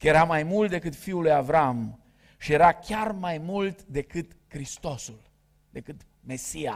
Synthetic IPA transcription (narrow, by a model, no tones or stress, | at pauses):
kəje̞ɾamajmult̪̚d̪e̞kɨt̪fiulujavɾam | ʃije̞ɾakʲarmajmult̪d̪e̞kɨt̪ | kɾist̪o̞sul | d̪e̞kɨt̪ | me̞sia